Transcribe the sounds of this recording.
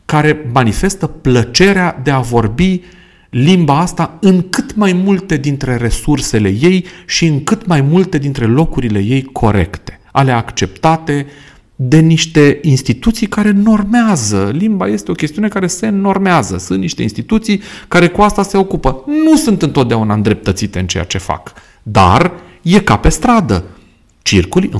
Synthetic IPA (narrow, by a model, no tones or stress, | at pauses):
kaɾe̞manife̞st̪əplət͡ʃe̞ɾead̪e̞avo̞rbi | limbaast̪aɨŋkɨt̪majmult̪e̞d̪int̪ɾe̞re̞surse̞le̞̰je̞jʃiɨŋkɨt̪majmult̪e̞d̪int̪ɾe̞lo̞kuɾile̞̰je̞jkʰo̞̰ɾe̞̰kt̪e̞̥a̰le̞akt͡ʃe̞pt̪at̪e̞ | d̪e̞niʃt̪e̞inst̪it̪ut̪sijkaɾe̞no̞rmeazəlimbaje̞st̪eo̞kʲe̞st̪iune̞kaɾe̞se̞no̞rmeazəsunt̪niʃt̪e̞inst̪it̪ut̪sijkaɾe̞kuast̪ase̞o̞kupənusunt̪ɨnt̪o̞t̪̚d̪eaunaɨnd̪ɾe̞p̚t̪ət̪sit̪e̞ɨnt͡ʃe̞ja̰t͡ʃe̞fa̰k | d̪a̰r | je̞kape̞st̪ɾad̪ə̰ | t͡ʃḭrkul̰ʲ